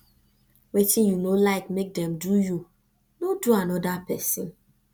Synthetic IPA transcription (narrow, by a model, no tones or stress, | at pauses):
wetijunolaɪkmek̚dɛ̃mduju | noduanɔdapɛsĩn